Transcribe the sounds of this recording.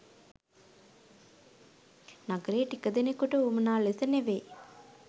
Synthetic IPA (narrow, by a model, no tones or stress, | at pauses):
nɐɡɐɾeːʈikːɐd̪enekːuʈuumɐnaːlesɐneʋe